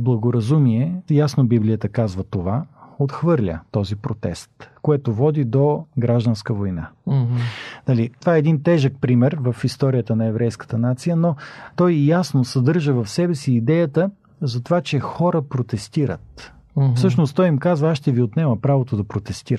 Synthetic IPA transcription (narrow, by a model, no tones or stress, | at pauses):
blˠɐɡoɾɐzumiɛjasnobiblijət̪əkazvət̪ovaot̪xvɤɾlʲə̰t̪ɔzipɾot̪ɛ̰st̪koɛt̪ovɔd̪id̪oɡɾaʒd̪ənskəvojna̰ | nɐlit̪ovaɛɛd̪int̪ɛʒək̚pɾimɛɾvɐfist̪ɔɾijət̪ənɐɛvɾɛjskə̥t̪ənat̪sijənot̪ɔjjasnosɐd̪ɤɾʒəvɐfsɛbɛsiːd̪ɛjət̪ə | zɐt̪ovat͡ʃɛxɔɾəpɾot̪ɛst̪iɾə̰t̪ | fsɤʃnoʊst̪ɔjimkazvɐaʃt̪ɛviot̪nɛməpɾavot̪od̪ɐpɾot̪ɛst̪iɾə